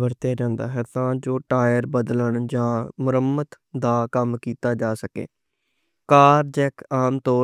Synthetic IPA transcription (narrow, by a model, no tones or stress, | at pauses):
bəɾt̪jaːd͡ʒãːnd̪a̰ːɦɛːt̪ãːd͡ʒoːʈaːjəɾbəd̪ləɳd͡ʒãːmʊɾəmət̪ | d̪aːkəmkiːt̪aːd͡ʒaːsəkḛː | kaːɾd͡ʒɛːkaːmt̪ɔː